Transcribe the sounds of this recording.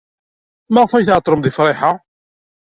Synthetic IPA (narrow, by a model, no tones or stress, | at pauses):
maʁfæjθʕət̪ˤːɾˤəmðifɾˤɪħa